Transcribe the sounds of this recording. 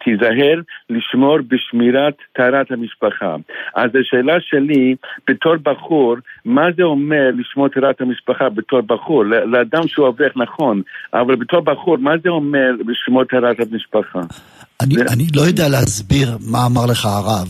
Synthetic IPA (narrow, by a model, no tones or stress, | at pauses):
t̪ʰizaɦeʁliʃmoɾbeʃmiɾat̪ːaɾat̪hamiʃpaχa̰ʔazaʃeːlaʃelib̥etʰoɾbaχuɾmazeomeɾliʃmoɾt̪ʰaɾat̪hamiʃpaχabetoɾbaχuɾleleadamʃeuaveχnaχo̞nʔa̰valbet̪ʰoɾbaχuɾmazeomeɾbeʃmoɾt̪aɾat̪hamiʃpaχa | anianilojod̪ealeazbiʁmaːmaʁleχaːʁav